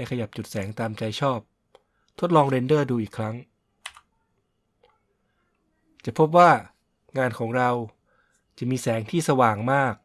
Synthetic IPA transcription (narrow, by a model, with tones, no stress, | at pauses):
a˥˩jkʰa˧ja˨˩p̚t͡ɕu˨˩t̪̚sɛː˩˦ŋt̪aː˧mt͡ɕa˧jt͡ɕʰɔː˥˩p̚ | t̪ʰo˦˥t̪̚lɔː˧ŋɾe˧ndɤː˥˩duː˧ʔiː˨˩kʰːɾa˦˥ŋ | t͡ɕa˨˩pʰo˦˥p̬̚waː˥˩ | ŋaː˧nkʰɔː˩˦ŋɾa˧w | t͡ɕa˨˩miː˧sɛː˩˦ŋt̪ʰiː˥˩sa˧waː˨˩ŋmaː˥˩k̚